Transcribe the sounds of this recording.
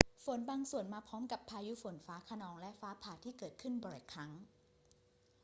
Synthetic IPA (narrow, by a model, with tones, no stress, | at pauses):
fo˩˦nbaː˧ŋsu˨˩ənmaː˧pʰɔː˦˥mka˨˩pʰːaː˧juː˦˥fo˩˦nfaː˦˥kʰa˧nɔː˧ŋlɛ˦˥ʔfaː˦˥pʰaː˧˩t̪ʰiː˥˩kɤː˨˩t̪̚kʰɯ˥˩nbɔː˨˩jkʰɾa˦˥ŋ